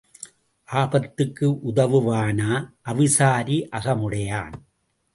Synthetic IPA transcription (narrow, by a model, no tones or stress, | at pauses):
ʔaːbɐt̪ːɯkːɯʔʊðɐʋɯʋaːnaːʔɐʋɪsaːɾiʔɐɣɐmʊɽɐja̰ːn